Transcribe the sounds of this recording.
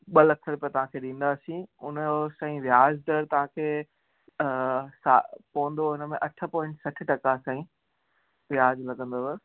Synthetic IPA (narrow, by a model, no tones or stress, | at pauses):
ɓɐlɐksʰəɾpiət̪ɐʋ̤ãːkʰeːɗĩːn̆d̪asĩʊnəosaːĩʋjaːd͡ʑd̪əɽt̪ɐʋ̤ãːkʰeː | saːpoʋə̃nd̪oʊnəmẽʔɐʈʰə̆pɔ̃ːɪ̃ɳʈsɐʈ̆ʰʈɐkasãːĩ | ʋjaːd͡ʑlɐɡə̃nd̪oʋ